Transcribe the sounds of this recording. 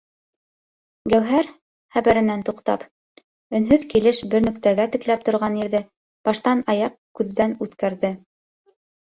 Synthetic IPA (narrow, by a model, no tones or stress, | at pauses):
ɡæwɦæɾ | χæβæɾɘ̆nænt̪uqt̪ɑ̰p | ɵ̆nɦɵðkilɘʃbɘɾnɵ̆kt̪æɡæt̪ɘ̆klæp̚t̪ŏɾʁɑniɾðɘ | b̥ɑʃt̪ɑnɑjɑqkʉðːænʉt̪kæɾðɘ